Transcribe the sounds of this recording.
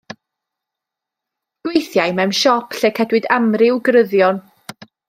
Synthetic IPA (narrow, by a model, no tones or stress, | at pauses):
ɡ̥wejθjajmɛwmʃɔpʰɬɛkhɛdwɨdamrɪwɡrəðjɔn